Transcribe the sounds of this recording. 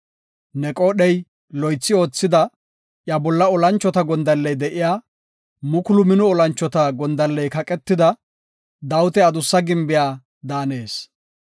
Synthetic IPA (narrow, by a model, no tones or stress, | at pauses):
nɛkʼoːɗɛj | lɔjt͡sːɪo̞ːt͡sːɪd̪ɐ | ʔjɐbɔlːɐɔlɐnt͡ʃːɔt̪ɐɡɔnd̪ɐlːɛjd̪ɛʔɪjaː | mʊkʊlʊmɪnʊɔlɐnt͡ʃːɔt̪ɐɡɔnd̪ɐlːɛjkɐkʼɛt̪ːɪd̪ɐ | d̪ɐwʊt̪ɛɐd̪ʊsːɐɡɪmbɪjaː | d̪aːne̞ːs